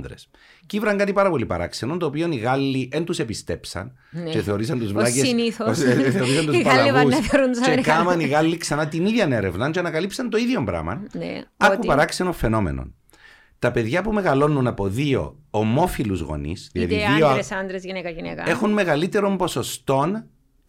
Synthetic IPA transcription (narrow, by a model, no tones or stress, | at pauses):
d̪ɾes | civɾɐŋɡɐt̪ipɐɾɐpo̞lipɐ̰ɾɐ̰ksenont̪oːpio̞niɣɐlːiʔent̪use̞pist̪e̞psɐ̰n | t͡ʃe̞θe̞o̞ɾisɐnt̪uzvlɐceniθθeoɾisɐnt̪usɐɐusɾut͡ʃekɐmɐniɣɐlːiksɐnɐt̪iniðʝɐneɾe̞̰vnɐnt͡ʃeɐnɐkɐlipsɐnt̪oiðʝo̞mbɾɐ̰mɐ̰nɐkupɐɾɐksenofe̞no̞mḛno̰n | t̪ɐpe̞ðʝɐpume̞ɣɐlo̞nːunɐpo̞ðio̞̰ːmo̞filuzɣo̰nḭsðilɐ̰ðiioɐnd̪ɾezinekɐnekɐ̰e̞xunme̞ɣɐlit̪e̞ɾo̞mbo̞so̞st̪o̞n